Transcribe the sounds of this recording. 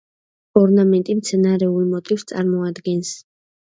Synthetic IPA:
ɔɾnamɛnt̪ʼimt̪sʰɛnaɾɛulˠmɔt̪ʼifst̪sʼaɾmɔad̪ɡɛns

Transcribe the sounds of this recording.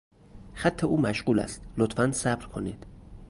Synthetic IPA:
xæt̪ʰːeuːmæʃɢuːlæ̰st̪lot̪fænsæbɾkʰo̞niːd̪̥

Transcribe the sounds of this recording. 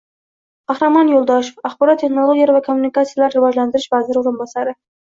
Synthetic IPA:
qʰɑχɾamɒnjolˠd̪ɒʃofaχbɒɾɒt̪ʰːe̞χnolˠoɡʲijaɾvakʰomːunikat̪sijalaɾɾɪvɒd͡ʒland̪ɪɾɪʃvazɪɾɪoɾɪnbɒsaɾɪ

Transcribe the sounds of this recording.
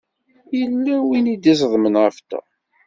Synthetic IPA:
jəlːæwinid̪is̬ˤðˤmənʁəft̪æ̰

